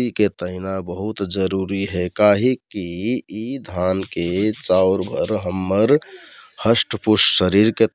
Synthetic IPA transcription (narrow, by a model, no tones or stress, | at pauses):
iket̪əɦɪnabəɦut̪d͡ʒəɾuːɾiɦɛkaɦikiid̪ʱaːnket͡ʃaʊɾbʱəɾɦəmːəɾhəsʈpʊʃsəɾiɾke